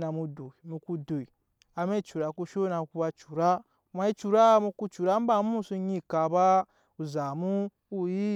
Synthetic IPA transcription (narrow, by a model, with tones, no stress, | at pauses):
na˨mu˧do˨i˨mu˧ku˧do˨i˨ | a˧me˦˨t͡ʃu˨ɾa˧ku˧ʃo˦na˧ku˧ba˧t͡ʃu˨ɾa˦˨˦ | ma˧i˦t͡ʃu˨ɾa˦mu˧ku˦˧t͡ʃu˨ɾa˦m˦ba˧˦m˦u˦su˧ɲĩ˦ka˧ba˦ | u˨za˨mu˦ | u˦ji˦